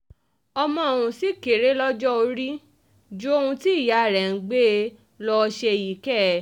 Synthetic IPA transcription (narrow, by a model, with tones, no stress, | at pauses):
ɔ˧mɔ̃˧˨o˨ɾũ˨si˦ke˨ɾe˨˦lɔ˦d͡ʒɔ˦o˧ɾi˦ | d͡ʒo˦o˦ũ˧ti˦˨ja˨ɾɛ˨ɡ͡be˦ | lɔ˧ʃe˧˨ji˨kɛ˦